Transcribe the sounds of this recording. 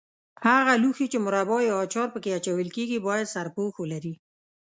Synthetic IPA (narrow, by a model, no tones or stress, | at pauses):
haɣaluxit͡ʃemʊɾabɑjːt͡ʃɑɾpəkeat͡ʃawəlkeɡibɑjad̪saɾpoxolaɾi